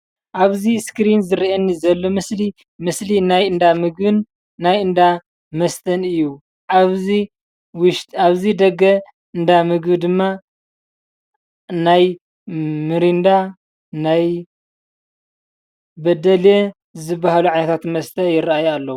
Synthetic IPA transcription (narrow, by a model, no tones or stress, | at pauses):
ʔaβziskɾinzɨɾiʔenːizɐlːo̞mɨsli | mɨslinajɨnd̪amɨɡbɨnː | ajɨnd̪a | mɐst̪ʰɐnɨjːu | ʔaβi | wʃtaβzid̪ɐɡɐ | ʔɨnd̪amɨɡbɨd̪ɨmːa | naj | mɨɾind̪a | naj | bɐd̪ɐle | zɨbːaɦaluʕajnɐt̪ʰat̪mɐst̪ʰɐjɪraajalːɐwu